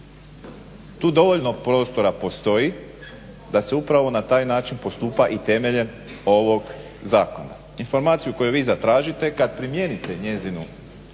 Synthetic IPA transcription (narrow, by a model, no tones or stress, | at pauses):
t̪uːd̪o̞ʋo̞ʎnopɾo̞ːst̪o̞ɾapo̞st̪o̞ji | d̪ase̞upɾaʋo̞nat̪aːjnaːt͡ʃinpo̞st̪uːpaʔit̪e̞me̞ʎe̞n | o̞ʋoɡ | zaːko̞na̰ | info̞ɾmaːt̪sijuko̞juʋiːzat̪ɾaːʒit̪ekad̪̚pɾimjenit̪e̞ɲe̞zinu